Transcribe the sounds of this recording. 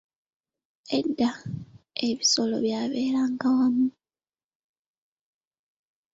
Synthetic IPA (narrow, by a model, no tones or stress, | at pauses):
e̞dːa | e̞βiso̞lo̞̰βjaːβe̞ːɾaːŋɡawamu